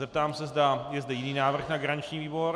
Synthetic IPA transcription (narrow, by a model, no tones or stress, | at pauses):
zɛp̚t̪aːmsɛzdajɛzdɛjɪniːnaːvr̩xnaɡɾaɲɪt͡ʃɲiːviːboɾ